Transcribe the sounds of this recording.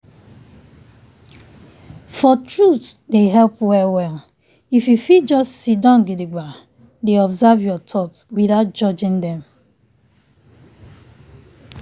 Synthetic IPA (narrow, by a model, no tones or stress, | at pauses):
fɔtɹutdeɦɛlpwɛwɛl | ifjufitd͡ʒɔstsidãnɡidiɡa | deɔbzavjɔtʰɔtwiðaʊt̚d͡ʒɔd͡ʒĩŋdɛ̃m